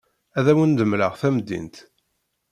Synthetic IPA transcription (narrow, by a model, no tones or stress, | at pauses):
æðæwənd̪əmləʁθæmd̪ːḭnt̪